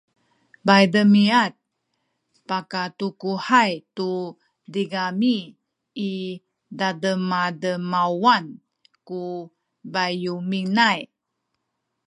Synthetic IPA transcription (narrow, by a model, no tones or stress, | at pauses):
bajdəmiat̪̚ | pakatukuhajtu | diɡamiː | dadəmadəmawan | ku | bajuminaj